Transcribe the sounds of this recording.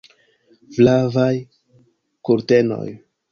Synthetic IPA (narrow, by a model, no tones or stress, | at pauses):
flavaj | kuɾte̞no̰j